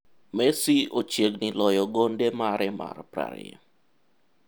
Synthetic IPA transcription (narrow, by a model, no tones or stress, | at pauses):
mɛsiot͡ʃeɡnilɔjɔɡondemaɾɛma̰rpɾa̰ɾ̰ḛ